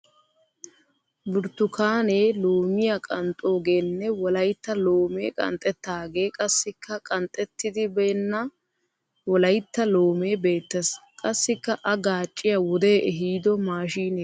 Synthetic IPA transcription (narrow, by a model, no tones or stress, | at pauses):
bʊɾt̪ːʊkaːneːlo̞ːmɪjɐkʼɐnt̪ʼo̞ːɡe̞ːnːɛwɔlɐjt̪ːɐlo̞ːmḛːkʼɐ̰nt̪ʼɛt̪ːaːɡe̞ːkʼɐsːɪkʰːɐkʼɐnt̪ʼːɛt̪ːɪd̪ɪbeːnːɐ | wɔlɐjt̪ːɐlo̞ːme̞ːbe̞ːt̪ːɐskʼɐsːɪkːɐʔɐɡaːt͡ʃʼːɪjɐwɔd̪e̞ːʔɛɦiːd̪ɔmaːʃiːneː